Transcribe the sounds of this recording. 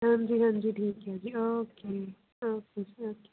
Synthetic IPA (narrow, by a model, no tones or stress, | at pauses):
ɦãnd͡ʒiɦə̃nd͡ʒiʈʰiːkad͡ʒioːke | oːked͡ʒioːke̥